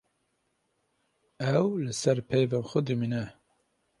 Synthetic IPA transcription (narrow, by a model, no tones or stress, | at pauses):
ɛwlɨsɛɾpʰɛjvenxʷɛd̪ɨminɛ